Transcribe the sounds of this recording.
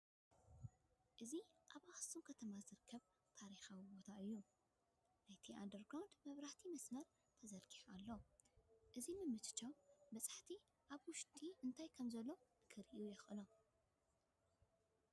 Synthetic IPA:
ʔɨziʔaβʔaxɨ̥sumkʰɐt̪ʰɐmazɨɾɨkʰːɐβ | t̪ʰaɾixawibo̞t̪ʰaɨjːu | najt̪ʰiʔa̰nd̪ɐɾɡɾawnd̪mɐβɾaht̪ʰimɐsmɐɾ | t̪ʰɐzɐlkʰʼi̥ħalːo | ʔɨzimɨmːɨt̪ɨ̥t͡ʃːawbɐt͡sʼḁħt̪ʰi | ʔaβwʊʃt̪ʼiʔɨnt̪ʰajkʰɐmzɐlːo̞kʰɨɾʔjujɛxʔɨlo

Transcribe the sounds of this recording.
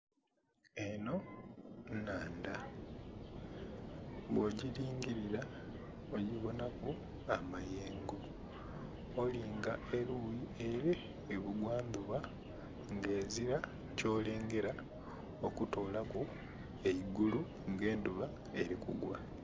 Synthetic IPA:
eno̞ | naːnda | βwoɟiɾiːŋɟiɾiɾa | oɟiβo̞naku | amajeːŋɡo | liːŋɡaeɾujieɾeː | βuɡwaːnd̪uβa | ŋɡe̞ːziɾa | co̞ːle̞ːŋɡe̞ɾa | okuto̞ːlaku | eiɡulu | ŋɡe̞ːnduβa | e̞ɾikṵɡwa

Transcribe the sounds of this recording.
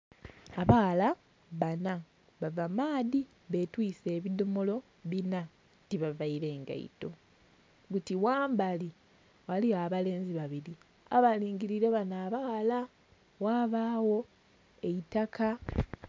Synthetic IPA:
aβala | βana | βavamaːði | βe̞twiːse̞ːβidomolo̞ | βina | tiβavaiɾe̞ːŋɡa̰ḭto̞ | ɡutiwaːmbali | waliaːβale̞ːnziβaβiɾi | a̰βaliːŋɡiɾiɾe̞βanaːβala | waːβaːwo̞ | e̞itakʰa

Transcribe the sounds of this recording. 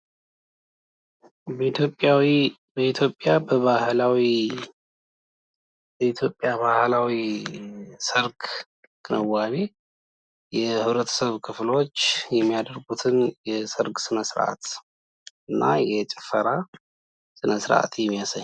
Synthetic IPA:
opʼawi | bəit̪ʰjo̞pʼːjabəβahlawi | bəit̪ʰjo̞pʼːjaβahlawi | sɨɾɡ | kʼɨnəwaβi | jɛhɨβɾət̪ʰə̥səβkʰɨflo̞t͡ʃːjɛmːijad̪əɾɡut̪ʰɨnjɛsɨɾɡsɨnəsɾʔa̰t̪ | ɨnːajɛt͡ʃʼɛ̥fəɾa | sɨnəsɾʔa̰t̪jɛmːijasaɲː

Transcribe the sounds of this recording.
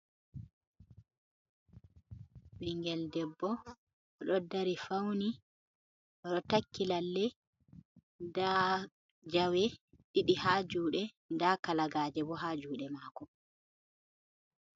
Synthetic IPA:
ɓiŋɡɛldɛbːɔ | ɗɔdːaɾifawni | ɾɔtakːilalːɛ | da | d͡ʒawɛ | ɗiɗihaːd͡ʒuːɗɛ | ndakalaɡaːd͡ʒɛbɔɦad͡ʒuːɗɛmaːkɔ

